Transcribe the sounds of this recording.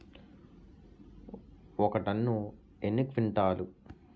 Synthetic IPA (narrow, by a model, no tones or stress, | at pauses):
ɔkɐʈɐnːu | enːikʋiɳʈaːlu